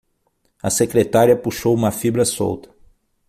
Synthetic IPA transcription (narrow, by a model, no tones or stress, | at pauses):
ɐsekɾet̪aɾiɐpuʃowũmɐfibɾɐso̰wt̪ɐ̥